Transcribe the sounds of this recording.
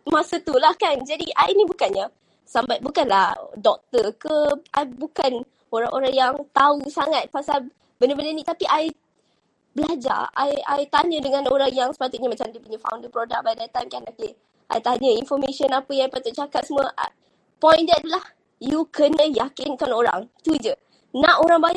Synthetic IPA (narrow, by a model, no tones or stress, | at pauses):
mãsət̪ulahkand͡ʒadiʔainibukanɲa | sambat̪̚bukanla̰hdɔk̚t̪əkəʔa̰jbukan | oɾaŋʔoɾaŋjaŋt̪ausaŋat̪̚pasal | bəndəbənənit̪apiʔaj | bəlad͡ʒa̰a̰ja̰jt̪aɲədəŋãnoɾaŋjaŋsə̥pat̪ʊt̪̚ɲamat͡ʃamdipuɲãfa̰wndəpɾodak̚bajdat̪ːajmkanoke | ʔa̰jt̪aɲəinfɔmeʃənapəjãajpat̪ʊt̪̚t͡ʃakat̪̚səmwəʔa | pɔjnd̪ɛt̪̚lah | jukənə̃jakɪnkanoɾa̰ŋt̪ud͡ʒə | nãʔoɾaŋbaɲa